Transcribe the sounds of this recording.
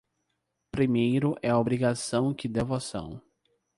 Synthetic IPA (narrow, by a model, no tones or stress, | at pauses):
pɾimejɾʊʔɛɐobɾiɡasɐ̃w̃kɪd̪evosɐ̰̃w̃